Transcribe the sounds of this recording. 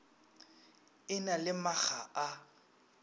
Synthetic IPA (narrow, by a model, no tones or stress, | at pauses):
ɪnalɪmaɣaʔa